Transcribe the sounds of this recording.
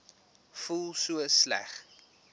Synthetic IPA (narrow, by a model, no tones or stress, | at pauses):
fulˠsuəslæ̰χ